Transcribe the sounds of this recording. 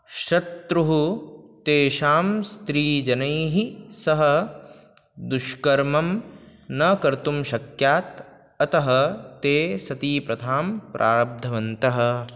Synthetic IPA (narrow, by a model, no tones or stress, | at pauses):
ʃɐt̪ːɾuɦut̪eːʃaːmst̪ɾiːd͡ʒɐnɐjɦisɐɦɐ | d̪uʃkɐɾmɐmnɐkɐɾt̪umʃɐkjaːt̪ | ɐt̪ɐɦɐt̪eːsɐt̪iːpɾɐt̪ʰaːmpɾʔa̰ːɾɐb̚d̪ʱɐʋɐnt̪ɐɦɐ̆